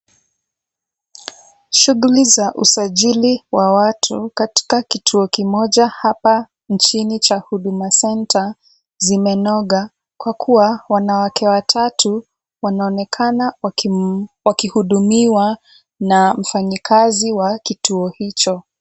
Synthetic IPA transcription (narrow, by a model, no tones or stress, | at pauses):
ʃuɣulizaʔusaʄiliwawatʰukati̥kakitʰuɔkimɔʄahapa | nt͡ʃinit͡ʃahuɗumasɛntʰa | zimɛnɔɠa | kwakʰuwawanawakʰɛwatʰatʰu | wanaɔnɛkʰana | wakihuɗumiwa | nam̩faɲikʰaziwakituɔhit͡ʃɔ